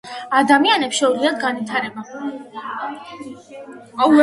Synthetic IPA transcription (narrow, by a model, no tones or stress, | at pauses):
ad̪amianɛpsʃɔuliad̪ɡanvit̪ʰaɾɛba | a